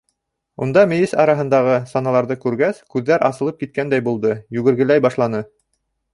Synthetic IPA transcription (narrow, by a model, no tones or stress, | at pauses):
und̪ɑmɘ̆jisɑɾɑɦɤ̆nd̪ɑʁɤsɑnɑlˠɑɾðɤkʉɾɡæskʉðːæɾʔɑ̰sɤ̆lˠɤp̚kit̪̚kænd̪æjbulˠd̪ɤjʉɡɘ̆ɾɡɘ̆læjbɑʃlˠɑnɤ